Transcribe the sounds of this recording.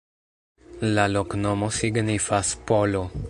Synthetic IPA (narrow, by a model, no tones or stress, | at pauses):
laloknomosiɡnifaspolo